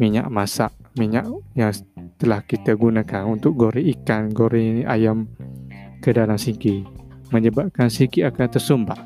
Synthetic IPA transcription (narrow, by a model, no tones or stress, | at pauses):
miɲa̰ʔmasaʔmiɲaʔjaŋt̪əlahkit̪aɡunakanunt̪ʊk̚ɡoɾiikanɡoɾiʔajam | kədalamsikiməɲəbaʔ̚kansikiakant̪ərsumbah